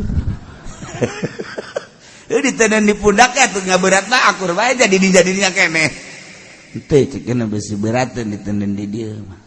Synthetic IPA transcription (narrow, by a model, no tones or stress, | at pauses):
ədit̪ənəndipundakat̪uŋabəɾat̪̚laakurmaed͡ʒadidid͡ʒadiniɲakenɛ | nt̪et͡ʃəkənəbəsibəɾat̪əndit̪ənəndidiəmah